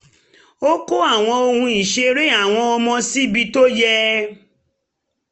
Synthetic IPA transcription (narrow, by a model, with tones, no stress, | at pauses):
o˦ko˦a˦˨w̃ɔ̃˧o˧hũ˧i˨ʃe˧ɾe˦a˦˨w̃ɔ̃˧ɔ˧mɔ̃˧si˦bi˧to˦jɛ˦